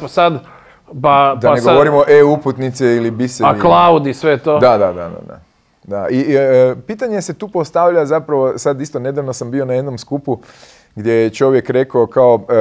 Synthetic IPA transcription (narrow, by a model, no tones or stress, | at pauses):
pasad̪ | pad̪anaeɡooɾimo̞ʔeuput̪nit̪seilibiseaklˠaud̪isʋet̪od̪ad̪ad̪a̰d̪a̰d̪a̰ | d̪aʔipit̪aɲese̞t̪uːpo̞st̪aʋʎazapɾaʋo̞sad̪ist̪o̞ne̞d̪aʋnosambio̞naje̞d̪no̞mskupu | ɡd̪je̞jet͡ʃo̞ʋje̞kɾe̞kokao̞